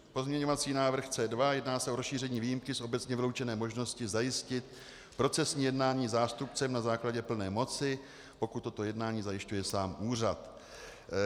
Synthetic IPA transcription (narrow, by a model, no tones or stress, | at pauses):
po̞zɲɛɲo̞vat͡siːnaːvr̩xt͡sɛːdvajɛdnaːsɛʔo̞ɾosʃiːr̝ɛɲiːviːjimkɪsʔo̞bɛt͡sɲɛvɪlo̞wt͡ʃɛnɛːmo̞ʒno̞scɪzajɪscɪt̪̚ | pɾo̞t͡sɛsɲiːjɛdnaːɲiːzaːst̪upt͡sɛmnazaːklaɟɛpl̩nɛːmo̞t͡sɪ | po̞kut̪ːo̞t̪o̞jɛdnaːɲiːzajɪʃcujɛsaːmʔuːr̝at̪